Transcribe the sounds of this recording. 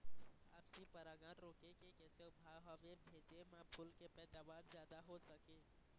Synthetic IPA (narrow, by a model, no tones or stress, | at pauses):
aːpsipəɾaːɡaːnɾoːkekekɛːseʊbʱaɦəʋebʱeːd͡ʒemãpʰʊlkepɛːd̪aːʋaːɾzjaːd̪aɦosəkeː